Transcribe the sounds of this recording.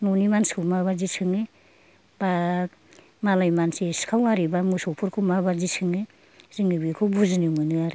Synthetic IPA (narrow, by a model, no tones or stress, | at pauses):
nɔnimanskʰɯmaβazisɯŋe | b̥a | malajmanseskʰawaɾibamusɔpʰuɾkʰumabazisɯŋe | zɯŋɯbikʰɯwbuzniŋɯnɯaɾi